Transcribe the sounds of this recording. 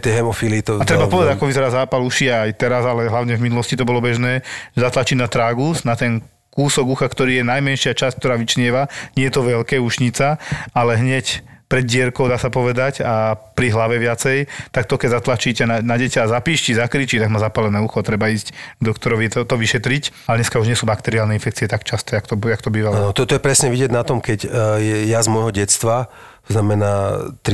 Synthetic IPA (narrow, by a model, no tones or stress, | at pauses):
t̪ɪɛɦɛmɔfilit̪ɔat̪ɾɛbapɔʋɛd̪aakɔʋizɛɾaːzaːpaluʃiajt̪ɛɾazalɛɦlaʊɲɛvminulɔscit̪ɔbɔlɔbɛʒnɛːʒɛzat̪lat͡ʃinat̪ɾaːɡusnat̪ɛn | kuːsɔɡuxakt̪ɔɾiːjɛnajmɛnʃɪat͡ʃasc̚kt̪ɔɾaːʋit͡ʃɲɪɛʋaɲɪɛjɛt̪ɔʋɛʎkɛːuʃɲit͡saalɛɦɲɛcpɾɛd̪ɟɪɛɾkɔʊd̪aːsapɔʋɛd̪acapɾiɦlaʋɛʋɪat͡sɛjt̪ak̚t̪ɔkɛɟzat̪lat͡ʃiːcɛnanaɟɛcaazapiːʃcizakɾiːt͡ʃit̪aɡmazapalɛnɛːuxɔt̪ɾɛbaiːzcɡd̪ɔkt̪ɔɾɔʋiɛt̪ɔt̪ɔʋiʃɛt̪ɾicalɛd̪ɲɛskauʒɲɪɛsuːbakt̪ɛɾialnɛinfɛk̚t͡siɛt̪akt͡ʃast̪ɛakt̪ɔjakt̪ɔbiːʋalanɔt̪ɔt̪ɔjɛpɾɛsɲɛʋiɟɛɟnat̪ɔmkɛcjɛjazmɔjɦɔɟɛt͡st̪ʋa | t̪ɔznamɛnaːt̪ɾi